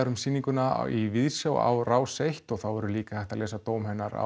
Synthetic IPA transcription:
aɾʏmsiːniŋkʏna̰ivɪðsjawa̰wraːwsejht̪ɔɣθawvɛɾʏliːkḁθɛht̪alɛːsat̪oːwmhɛnːaɾa̰

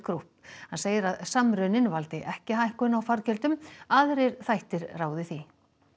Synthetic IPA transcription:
kɾuhp̚hanseːjɪɾaðsamɾʏnɪnvalt̪ɪʔɛhcɪhahkʏnawfaɾcœlt̪ʏmaðɾeɾ̥θajht̪ɪɾraːwðɪθi

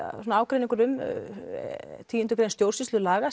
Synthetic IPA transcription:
sɔnaaːwkɾejniŋkʏɾʏm | t̪ʰiːʏnt̪ʏkɾejnst̪jowɾ̥sisʏlaːɣa

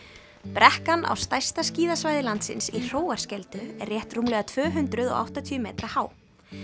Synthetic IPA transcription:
pɾɛhkana̰wst̪ajst̪asciːðasvajðɪlant̪sɪ̰nsir̥oːwaɾ̥scɛlt̪ʏɛ̰rːjɛht̪rumlɛɣat̪ʰvœːɦʏnt̪ɾʏðɔ̰ɣa̰wht̪at̪ʰyːʏmḛːt̪ɾahaːw

